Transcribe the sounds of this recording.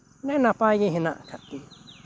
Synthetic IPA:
nẽnãpajĩɦĩnã̰ʔkʰat̪i

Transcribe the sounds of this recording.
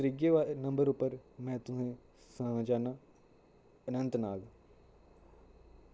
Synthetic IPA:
ɾiɡeʋaːnə̃mbəɾʊpːəɾmɛ̃ːt̪ʊsẽː | saãd͡ʒaːnaː | ənə̃nt̪naːl

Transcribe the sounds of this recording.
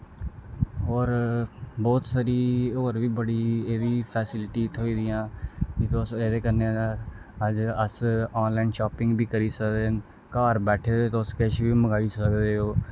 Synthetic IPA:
ɦoːɾbɔːt̪saɾiːoːɾʋiːbəɽiːeːʋiːpʰɛːsɪlʈiːt̪ʰoiːd̪ɪjãːkɪt̪oseːdeːkəne | əd͡ʒəsɔːnlaːinʃɔːpɪ̃ŋɡbʱiːkəɾiːsəkd̪eːn | kaːɾbɛːʈʰeːdeːt̪oʊskeʃbiːməɡaːiːsəkd̪eːɦoː

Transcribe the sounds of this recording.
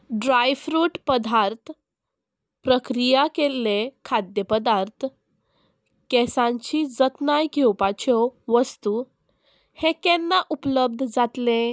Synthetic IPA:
ɖɾajfɾuːʈpəd̪ʱaɾt̪ʰ | pɾəkɾijakelːekʰad̪jəpəd̪aɾt̪ʰ | kɛsãɲt͡ɕid͡zət̪najkewpat͡ɕʰɔʋəst̪u | hẽkɛ̃nːaʔupləb̚d̪ʱd͡zat̪lẽ

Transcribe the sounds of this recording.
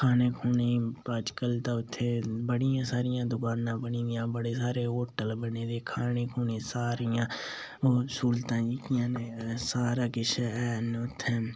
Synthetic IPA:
kʰaːneːkʰuːnepaːd͡ʒkəlt̪aʊt̪ʰːeːbəɽijãːsaːɾɪjãːd̪ʊkaːnãːbəniːd̪ɪjãːbəɽeːsaːɾeːɦoːʈəlbəneːd̪eːkʰaːneːkʰuːneːsaːɾijãː | oːsuːlt̪ãːd͡ʒiːkijãːnesaːɾaːkɪʃɛːnʊt̪ʰːe

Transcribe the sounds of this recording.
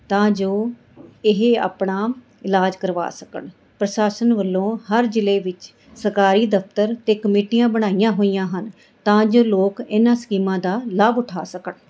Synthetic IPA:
t̪ãːd͡ʒoː | ɪɦa̰ːpɳaː | ɪlaːd͡ʒkəɾʋa̰ːsəkə̰ɳ | pɾəʃaːsənʋəlːõːhəɾd͡ʒɪleːʋɪt͡ʃ | səɾkaːɾiːd̪əft̪əɾt̪eːkəmiːʈijãːbəɽ̃aːijãːɦoːijãːɦən | t̪ãːd͡ʒoːloːkɪnãːskiːmãːd̪aːlaːbʊʈʰa̰ːsəkəɳ

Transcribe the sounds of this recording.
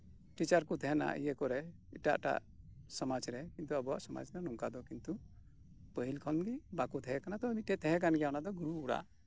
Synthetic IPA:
ʈit͡ʃaɾkut̪ʰɛɦɛna̰ʔḭjəkɔɾɛ | iʈa̰ʔʈa̰ʔsɔmad͡ʒɾɛkint̪uabɔwaʔsɔma̰d͡ʒnanɔŋkad̪ɔkint̪u | pəɦilkʰɔnɡibakut̪ʰɛɦɛkanat̪ɔmiʈɛt̪ʰɛɦɛ̃kanɡɛjanad̪ɔɡuɾuːɾa̰ʔ

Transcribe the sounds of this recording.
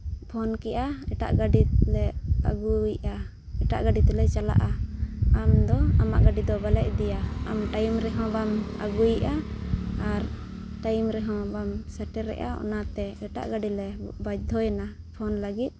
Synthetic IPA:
pʰɔnkɛʔaɛʈa̰ʔɡaɖilɛa̰ɡujʔa | ɛʈaʔɡaɖit̪ɛlɛt͡ʃala̰ʔaamd̪ɔamaʔɡaɖid̪ɔbalɛʔ̚d̪ɛjaamʈajmɾɛɦɔ̃bama̰ɡujʔaː | ɾ | ʈajmɾɛɦɔ̃bamsaʈɛɾɛ̰ʔa̰ɔ̰nat̪ɛɛʈa̰ʔɡaɖilɛbad͡ʒd̪ʱɔjana | pʰɔnləɡit̪̚

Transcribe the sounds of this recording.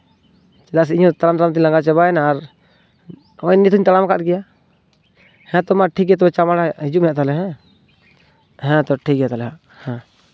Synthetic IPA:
t͡ʃɛd̪as̬iɲũt̪alamt̪alamt̪ilaŋɡat͡ʃɛbaɛnaːɾ | ɔjnit̪uɲt̪alamkat̪̚ɡɛja | hɛ̃t̪ɔmaʈʰik̚ɛt̪ɔbɛt͡ʃamaɽaɦid͡ʒuʔmɛjaʔt̪alɛɦɛ̃ | ɦɛ̃t̪ɔʈʰik̚ɡɛjat̪alɛɦaʔ | hɛ̃

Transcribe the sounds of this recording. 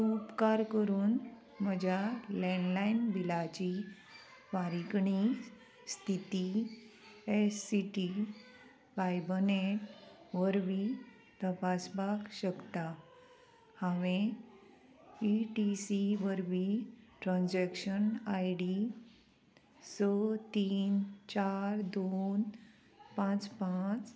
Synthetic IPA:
upkaɾkəɾuːn | məd͡ʑʱjalɛ̃ɳɖlainbilat͡ɕi | ʋaɾikɳi | st̪ʰit̪i | esːiʈi | ʋajbəne | ʋəɾʋi | t̪əpasbakɕəkt̪a | haʋẽ | iʈisiʋəɾʋiʈɾãnd͡ʑɛkɕənajɽi | sət̪iːnt͡ɕaɾd̪on | pãt͡spat͡s

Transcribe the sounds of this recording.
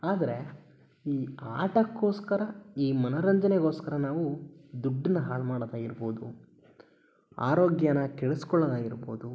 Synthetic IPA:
aːd̪ɐɾe̞ | iːaːʈɐkːo̞ːskɐɾɐiːmɐnɐɾɐɲd͡ʒɐneɡo̞ːskɐɾɐnaːʋud̪uɖːinːɐɦaːɭmaːɽɐd̪aːɡiɾboːd̪u | a̰ːɾo̞ːɡjɐnɐkɛɭeskɔɭːɐd̪aːɡiɾbo̰ːd̪u

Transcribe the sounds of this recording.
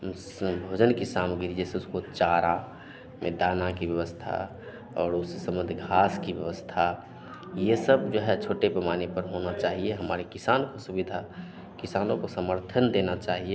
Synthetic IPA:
bʱod͡ʒənkisamɡiɾid͡ʒɛseʊskot͡ʃaɾa | mʔḛd̪aːnakibjəʋəst̪ʰa̰ | ɔːɾʊsːesəmə̃nd̪ʱɡʱaːskibjəʋəst̪ʰa | jesəbd͡ʒoɦɛt͡ʃʰoːʈepɾəmanepəɾɦonat͡ʃaːɦieɦəmaːɾekisaːnokosubid̪ʱa | kisaːnõkosəməɾt̪ʰənd̪enat͡ʃaːɦie

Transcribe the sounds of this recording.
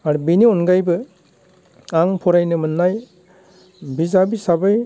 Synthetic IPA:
aɾubiniɔnɡajbɯ | aŋpʰɔɾajnɯmɯnːaj | bizabisabɯj

